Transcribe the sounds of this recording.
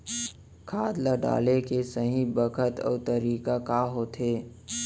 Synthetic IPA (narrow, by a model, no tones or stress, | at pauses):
kʰaːd̪ləɖa̰ːlekesəɦĩbəkʰət̪ɔ̰ːt̪əɾiːkakaːɦot̪ʰeː